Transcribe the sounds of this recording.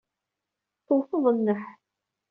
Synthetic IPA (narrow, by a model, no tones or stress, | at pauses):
t̪ːoθəðˤənːəħ